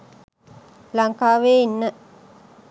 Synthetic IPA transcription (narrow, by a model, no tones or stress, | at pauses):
laŋkaːʋeːinːə